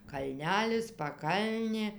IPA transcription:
kɐlʲˈnʲæːlʲɪs pɐˈkɐlʲnʲeː

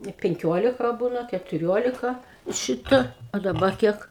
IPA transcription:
ɪ ˈpʲɛŋʲkʲoːlʲɪkɐ ˈbuːnɐ kʲɛtʊˈrʲoːlʲɪkɐ ˈʃʲɪtɐ ɐ dɐˈbɐ ˈkʲiɛk

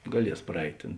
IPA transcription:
ɡɐˈlʲiɛs prɐˈɛɪtʲ ˈtʲeːn

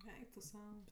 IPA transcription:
ˈɛɪk tʊ ˈsɐʊ

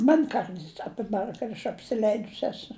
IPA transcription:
ˈmɐnʲ ˈkɐrts ɐˈpʲɪbɐr kɐt ɐʃ ɐpʲsʲɪˈlʲɛɪdʊs ˈæːsʊ

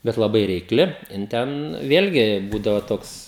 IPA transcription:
ˈbʲɛt lˠɐˈbɐɪ rʲɛɪkˈlʲɪ jɪn ˈtʲɛn ˈʋʲeːlʲɡʲɪ ˈbuːdɐʋoː ˈtoːks

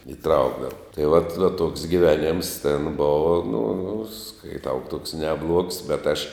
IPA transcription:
ɪˈtrɐʊɡdɐʋɐ tɐɪ ʋɐt ʋɐ toːks ɡʲɪˈʋʲæːˌnʲeːms tʲɛn ˈboːʋɐ nʊ skɐɪˈtɐʊ tuɔks nʲɛˈblˠuɔks bʲɛt ɐʃ

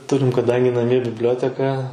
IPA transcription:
ˈtʊrʲɪm kɐˈdɐŋʲɡʲɪ nɐˈmʲiɛ bʲɪbʲˈlʲoːtʲɛkɐ

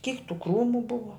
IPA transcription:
kʲiːk tuː ˈkruːmʊ ˈbʊʋɐ

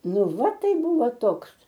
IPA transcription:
ˈnʊ ˈʋɐ ˈtɐɪ ˈbʊʋoː ˈtoːks

